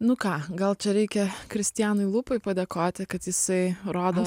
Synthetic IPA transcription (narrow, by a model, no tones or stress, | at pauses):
nʊkɑːɡɐlˠt͡ʃʲɛɾʲɛɪkʲɛkɾʲɪsʲt̪ʲɪjæːnʊɪlˠupʊɪpɐd̪ʲeːkoːt̪ʲɪkɐt̪jɪsɐɪɾoːd̪oː